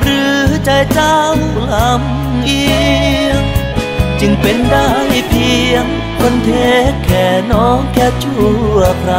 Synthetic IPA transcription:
ɾɯː˦˥t͡ɕa˧˩jt͡ɕaː˧wu˧˩k̚la˨˧˦m | ʔi˧əŋ | t͡ɕɯ˧˩ŋpe˨˩nda˥˩jpʰi˧əŋ | ko˧nt̪ʰeː˧˥kʰːɛː˨˩nɔː˦˥ŋkɛː˧t͡ɕʰu˥˧˩əkʰɾa˧˩

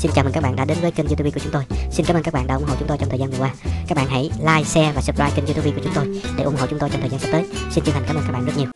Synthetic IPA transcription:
si˧nt͡ɕaː˧˩mə˨˩kːa˦˥ɓa̰ː˧˨nɗa̰ː˧˦ɗe˨˦nvə˨˦jki˧ŋzu˧u˧vi˧kəʊ˨˦ŋ͡mt̪o˧jsi˧nkaː˨˦məː˧nkːa˦˥k̚ɓa̰ː˧˨ɗa̰˧ʔʊ˧ŋ͡mɦə̰˨˧˨t͡ɕʊ˦ŋ͡mt̪o˧jt͡ɕɔ˧ŋ͡mt̪ʰːzaː˧nvwaː˧kaː˦˥k̚ɓ̰ːɦa̰˧˥jlaː˧jsɛ˧vaː˨˩sə˦˥p̚zaː˧jki˧ŋ̟zu˧u˧vi˧kəʊ˨˦ŋ͡mt̪o˧jɗe˧˩ʔʊ˧˨ŋ͡mɦə̰˧˨wt͡ɕʊ˨˦ŋ͡mt̪o˧jt͡ɕɔ˧ŋ͡mt̪əː˨˩za˧s̚t̪əː˨˦jsi˧nt͡ɕɨ˧ŋha˨˩ŋkaː˨˦mə˧nka˦˥ɓa̰ː˧˨zə˦˥t̚ɲi˨˩əw

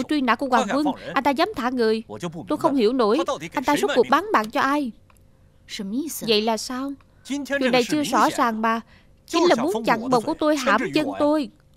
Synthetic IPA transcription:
t͡ɕwi˧na̰ː˧˥ku˧˩əwaː˨˩ŋkwə˧nʔa˧jn̟t̪aː˧zaː˨˦mt̪ʰaː˧˩ŋɨ˨˩əjt̪o˧jxə˧wŋ͡mhi˧˩wno˧˥jʔa˧n̟t̪aː˧zə˦˥t̚ku˨˩ək̚ɓaː˨˦nɓa̰ː˧˨nt͡ɕɔ˧ʔaː˧j | və̰˧˨jlaː˨˩saː˧w | t͡ɕḭ˨˧˨nɗa˨˩jt͡ɕɨ˧əzɔ̰˧˥zaː˨˩ŋɓaː˨˩ | t͡ɕï˨˦nlaː˨˩mu˨˦nt͡ɕa˧˩ŋɓə˨˩wku˧˩ət̪o˧jɦaː˧˩mt͡ɕə˧nt̪o˧j

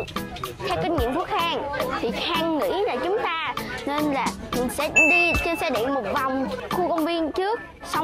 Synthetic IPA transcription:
t̪ʰɛ˧wka˧ŋ̟ŋwḭ˧˨ənt̪u˦˥ək̚xaː˧ŋt̪ʰi˨˩xaː˧ŋːḭ˧˥naː˧˩t͡ɕʊ˨˦ŋ͡mt̪aː˧ne˧nlaː˨˩ | mï˨˩ŋsɛ̰˧˥ɗi˧t͡ɕe˧nsɛ̰˧˥ɗḭ˧˨mo˨˩t̚va˨˩wŋ͡mxu˧kə˧wŋ͡mvi˧ənt͡ɕɨ˦˥ək̚ | sa˧w

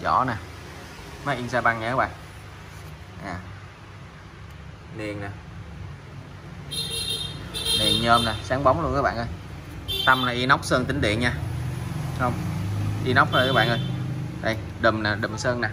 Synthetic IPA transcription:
zɔ̰˧˩˦naː˨˩ | maː˨˦jʔi˧nsaː˧ɓa˧nŋɲaː˧˨˦ɓa̰ː˧˨n | jaː˨˩ | li˨˩ənnaː˨˩ | li˨˩ənɲəː˧mnaː˨˩saː˨˦ŋɓa˨˦wŋ͡mlu˧nkəː˨˦jɓa̰ː˧˨nʔəː˧jt̪a˧mlaː˨˩ʔi˧na˦˥wk͡p̚səː˧ŋt̪ï˨˦ŋ̟ɗḭ˧˨ənɲaː˧ | hə˧wŋ͡mʔi˧nɔ˦˥wk͡p̚həː˧˨˦ɓa̰ː˧˨nʔəː˧jɗa˨˧˩j | ɗə˨˩mnaː˨˩ɗɨ˨˩msəː˧nnaː˨˩

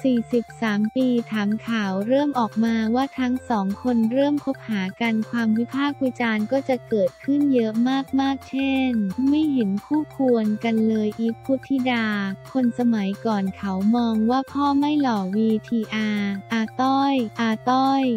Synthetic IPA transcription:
siː˨˩si˨˩p̚saː˩˦mpiː˧t̪ʰaː˩˦mkʰaː˩˦wɾɤː˥˩mʔɔː˨˩k̚maː˧waː˥˩t̪ʰa˦˥ŋsɔː˩˦ŋkʰo˧nɾɤː˥˩mkʰo˦˥p̚haː˩˦ka˧nkʰwaː˧mwi˦˥pʰaː˥˩k̚wiː˧˥t͡ɕaː˧nkɔː˥˩t͡ɕa˨˩kɤː˨˩t̪̚kʰɯ˥˩njɤ˦˥ʔmaː˥˩k̚maː˥˩k̚t͡ɕʰe˥˩nma˥˩jɦe˩˦nkʰuː˥˩kʰu˧ənka˧nlɤː˧jʔiː˦˥kʰːuː˥˩t̪ʰiː˥˩daː˧kʰo˧nsa˧ma˩˦jkɔː˨˩nkʰa˩˦wmɔː˧ŋwaː˥˩pʰɔː˥˩ma˥˩jlɔː˨˩wiː˧t̪ʰiː˧ʔaː˧ʔaː˧t̪ɔ˥˩jʔaː˧t̪ɔ˥˩j

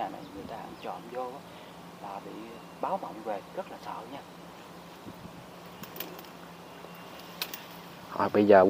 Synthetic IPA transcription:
aː˨˩na̰˧˨jŋɨ˨˩əjt̪aː˧ʔa˧ŋt͡ɕɔ̰˧˨nzo˧ʔaː˨˦ | laː˨˩ɓḭ˧˨ | ɓaː˨˦wmə̰˧˨wŋ͡mve˨˩ɣə˦˥t̚laː˨˩sə̰ː˧˨ɲaː˧ | hɔ̰˧˨ɓə˧jzəː˨˩

